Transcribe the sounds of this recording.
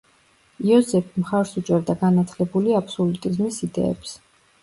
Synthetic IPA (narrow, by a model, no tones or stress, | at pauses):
iɔzɛpʰimχaɾsut͡ʃʼɛɾd̪aɡanat̪ʰlɛbuliapsɔlut̪ʼizmisid̪ɛ̰ɛ̰ps